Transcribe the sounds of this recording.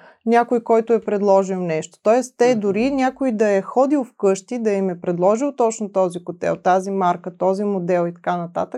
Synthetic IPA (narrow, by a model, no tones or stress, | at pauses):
nʲakojkɔjt̪ʊɛpɾɛd̪lˠɔʒilˠnɛʃt̪o̥t̪ɔjɛst̪ɛd̪ʊɾinʲakojd̪ɐɛxɔd̪ilˠfkɤʃt̪id̪ɐimɛpɾɛd̪lˠɔʒilˠt̪ɔt͡ʃnot̪ɔzikʊt̪ɛ̰lˠt̪azimaɾkət̪ɔzimod̪ɛlˠit̪ɐ̥kanɐt̪a̰t̪ək